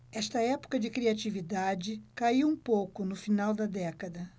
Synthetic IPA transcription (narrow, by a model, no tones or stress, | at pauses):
ɛst̪ɐɛpʊ̥kɐd͡ʒɪkɾiat͡ʃivid̪ad͡ʒɪkaiwũpowkʊnʊfinawd̪ɐd̪ɛkɐd̪ɐ